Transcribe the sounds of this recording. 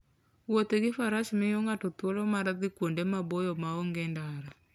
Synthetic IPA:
wɔteɣefaɾaʃimejoŋɡatotwolɔmaɾaðikwondɛmabojɔmaoŋɡɛndaɾa

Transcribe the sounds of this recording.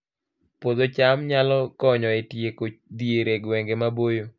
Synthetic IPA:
pod̪ot͡ʃamɲalɔkɔɲɔetjekot͡ʃd̪ieɾeɡwɛŋɡemabojo

